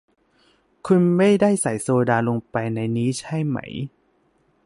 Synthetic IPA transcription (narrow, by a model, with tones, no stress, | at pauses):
kʰu˧nma˥˩jdaː˥˩jsa˨˩˦jsoː˧daː˧lo˧ŋpa˧jna˧jniː˦˥t͡ɕʰa˥˩jma̰˦˥j